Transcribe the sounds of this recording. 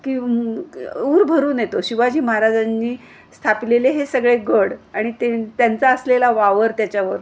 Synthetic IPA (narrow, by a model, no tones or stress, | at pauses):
kiː | uːɾbʱəɾuːnjet̪oɕiʋad͡ʑiːməɦaɾad͡zanːiː | st̪ʰapileleɦesəɡɭeɡəɽaɽ̃it̪et̪jant͡saəslelaʋaʋəɾt̪jat͡ɕjaʋəɾ